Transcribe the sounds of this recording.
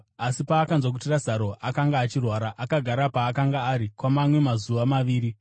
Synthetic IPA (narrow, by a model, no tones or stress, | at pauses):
asipaːkanzwak̬utirazaɾo̞ʔakaŋɡaːt͡ʃirwaːɾaʔakaɡʱaɾapaːkaŋɡaːɾikwamamwe̞mazuʋamaʋiːɾi